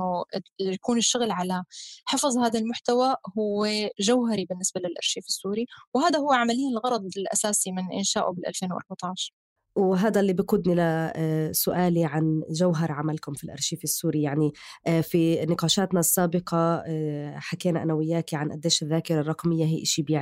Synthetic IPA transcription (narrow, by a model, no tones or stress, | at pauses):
jakuːnɪʃːʊɣlʕalaħɪfzˤhaːd̪almʊħt̪awahʊwːeʒawɦaɾibɪnːɪsbalɪlʔɑ̰ɾˤʃiːfɪsːuːɾiwhaːd̪aɦʊwːʕamalɪjːanɪlɣɑɾˤɑd̪ˤɪlʔa̰saːsimɪnʔɪ̰nʃaːʔʊbɪlʔa̰lfeːnwʔɑ̰ɾˤbɑt̪ɑʕʃɑɾˤ | wɦaːd̪alːiːbɪqʊd̪nilasʊʔaːliʕanʒawɦɑɾˤʕamalkʊmfilʔɑ̰ɾˤʃiːfɪsːuːɾijaʕnifinɪqɑːʃaːt̪nasːaːbɪqɑ | ħakeːnaʔanawɪjːaːkiʕanʔa̰d̪ːeːʃɪðːaːkɪɾˤɑrˤɑqmɪjːaɦiːʔɪʃibjɪʕ